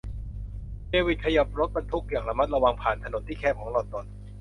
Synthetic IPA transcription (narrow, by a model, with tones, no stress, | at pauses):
deː˧wi˨˩kʰa˧ja˨˩p̚ɾo˦˥t̪̚ba˧nt̪ʰu˦˥k̚jaː˨˩ŋla˧ma˦˥t̪̚ɾa˧wa˧ŋpʰaː˨˩nt̪ʰa˧no˩˦nt̪ʰiː˥˩kʰɛː˧˥˩pkʰɔː˩˦ŋlɔː˨˩t̪t̪ɔ˨˩n